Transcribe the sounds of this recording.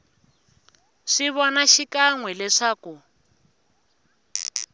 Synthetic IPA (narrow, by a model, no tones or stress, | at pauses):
ʂiβɔnaʃikaŋwɛlɛʂaːku